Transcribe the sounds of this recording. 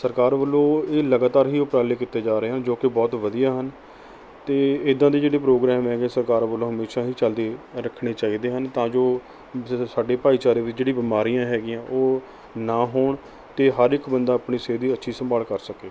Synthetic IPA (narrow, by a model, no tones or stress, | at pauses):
səɾkaːɾʋəlːõːeːləɡaːt̪aːɾɦiːʊpɾaːleːkɪt̪ːeːd͡ʒaːɾəeːɦənd͡ʒoːkɪbɔːt̪ʋəd̪ijaːɦən | t̪eːɪd̪ãːd̪iːd͡ʒeːɽeːpɾoːɡɾɛːmɦɛːɡẽːsəɾkaːɾʋəlõːɦəmeːʃaːɦiːt͡ʃəld̪eːɾəkʰɽeːt͡ʃaːiːd̪eːɦənt̪ãːd͡ʒoː | saːɖeːpaːiːt͡ʃaːɾeːʋɪt͡ʃd͡ʒeːɽĩːbɪmaːɾijãːɦɛːɡɪjãːʔoː | naːɦoːɳ | t̪eːɦəɾɪkbənd̪aːəpɳiːseːd̪iːətːʃʰiːsə̃mbaːlkəɾsəkeː